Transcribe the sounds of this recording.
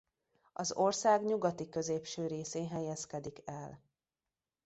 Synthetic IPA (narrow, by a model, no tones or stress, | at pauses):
ɒzo̞rsaːɡɲuɡɒt̪ikø̞zeːpʃøːɾeːseːɦɛjɛskɛd̪ikɛl